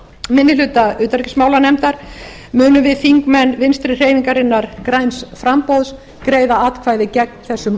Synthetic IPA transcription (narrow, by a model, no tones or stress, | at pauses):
mɪnːɪlʏːt̪aʏːt̪aɾɛcɪsmaːwlanɛmt̪aɾ̥ | mʏːnʏmvɪðfiŋkmɛnːvɪnst̪ɾɪr̥eːjviŋkaɾɪnːaɾ̥kɾajnsfɾampowðs | kɾeːjðaat̪kʰvaːjðɪcɛk̚nθɛsːʏm